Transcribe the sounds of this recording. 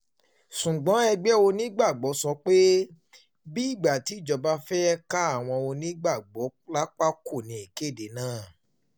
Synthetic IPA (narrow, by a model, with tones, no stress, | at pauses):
ʃũ˨ɡ͡bɔ̃˨˦ɛ˧ɡ͡bɛ˦o˧nĩ˦ɡ͡ba˦˨ɡ͡bɔ˨˦sɔ˧˦k͡pe˦ | bi˦i˦˨ɡ͡ba˨ti˨˦i˦˨d͡ʒɔ˨˧ba˦fɛ˦ɛ˦ka˦a˦˨w̃ɔ̃˧o˧nĩ˦ɡ͡ba˦˨ɡ͡bɔ˨˦la˦k͡pa˦ko˦˨nĩ˧˦i˨ke˦˨de˨˦nãː˦˨